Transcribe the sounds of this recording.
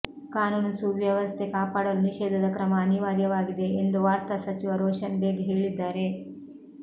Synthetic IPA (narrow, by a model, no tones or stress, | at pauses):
kaːnuːnsuʋjɐʋɐst̪ʰe̞kaːpaːɽɐɾuniʃeːd̪ʱɐd̪ɐkɾɐmɐːniʋaːɾjɐʋaːɡid̪e̞end̪uʋaːɾt̪asɐt͡ʃiʋɐɾɔːʃɐnbeːɡeɦeːɭid̪ːaːɾe̞